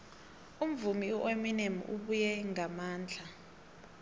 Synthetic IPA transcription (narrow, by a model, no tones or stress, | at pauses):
um̩vumiuʔeminemṵʔuɓujɛŋamaːnd͡ɮʱa